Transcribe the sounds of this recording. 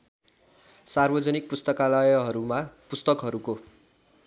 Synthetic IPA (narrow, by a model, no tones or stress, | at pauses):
sarbʌd͡zʌnik̚pust̪ʌkalajʌɦʌɾumapust̪ʌkɦʌɾuko